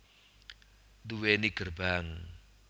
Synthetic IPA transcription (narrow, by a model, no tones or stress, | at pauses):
d̪uweniɡ̥ərbaŋ